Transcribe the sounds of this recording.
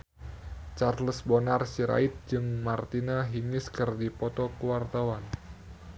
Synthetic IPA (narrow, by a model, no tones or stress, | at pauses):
t͡ʃarləsbonarsiɾa̰ɪt̪̚d͡ʒɨŋmart̪inaɦiŋɪskɨrdipɔt̪ɔkuwart̪awan